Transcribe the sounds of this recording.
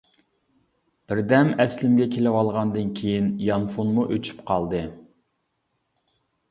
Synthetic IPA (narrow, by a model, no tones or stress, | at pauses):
b̥ɪɾd̪ɛmɛslɪmɡʲɛkʲʰelɪwɑlˠʁɑnd̪ɨnkʲʰejinjɑnfunmuʔøt͡ʃʰy̥pqʰɑlˠd̪ɨ